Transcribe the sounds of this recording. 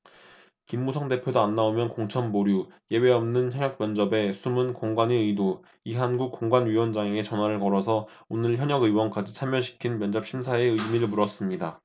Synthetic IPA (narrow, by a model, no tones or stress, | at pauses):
kimːusʰʌŋde̞pʰjodoanːaomjʌnkoŋt͡ɕʰʌnmoɾjuje̞we̞ʌmnɯnçjʌɲʌk̚mjʌnd͡ʑʌbe̞sʰumunkoŋɡwaneɯjdo | iɦanɡuk̚k͈ːoŋɡwanɥiwʌnd͡ʑaŋeet͡ɕʌnwaɾɯɭkʌɾʌsʰʌ | onɯɭçjʌɲʌɡɯjwʌnk͈ad͡ʑit͡ɕʰamjʌɕʰi̥kʰinmjʌnd͡ʑap̚ɕʰimsʰaeɯimiɾɯɭmuɾʌs͈ɯmɲida